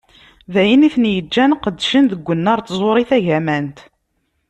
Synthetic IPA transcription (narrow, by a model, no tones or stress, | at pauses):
ðæjiniθənjəd͡ʒːænqəd̪ːʃənðəɡʷːənːɑɾˤt̪zˤoɾˤiθæʝæmænt̪